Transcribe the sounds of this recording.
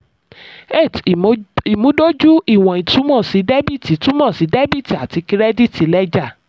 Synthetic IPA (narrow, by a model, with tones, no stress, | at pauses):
e˦˨ti˨mũ˨˦do˦d͡ʒu˦i˦˨w̃ɔ̃˨ĩ˨tũ˨˦mɔ̃˦˨si˨˦de˦bi˦˨ti˨˦tũ˦mɔ̃˦˨si˨˦de˦bi˦˨ti˨a˨ti˨˧ki˧ɾɛ˦di˦˨ti˨˦lɛ˦d͡ʒa˦˨